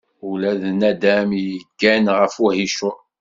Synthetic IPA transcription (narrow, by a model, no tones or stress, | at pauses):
ulæðnæd̪æmjəɡːænʁəfuhiʃʊɾˤ